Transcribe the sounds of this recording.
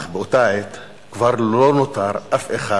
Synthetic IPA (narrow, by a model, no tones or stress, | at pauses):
χbeot̪aet̪ | kvaʁlonot̪aɾʔafeχa